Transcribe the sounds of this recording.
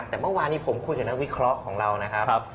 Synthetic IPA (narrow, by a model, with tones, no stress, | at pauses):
k̚t̪ɛː˨˩mɤ˧˥˩waː˧nːiː˦˥pʰo˩˦mkʰuː˧jkaː˨˩na˦˥wi˦˥kʰɾɔ˦˥ʔkʰɔː˩˦ŋɾa˧wna˦˥kʰa˦˥˦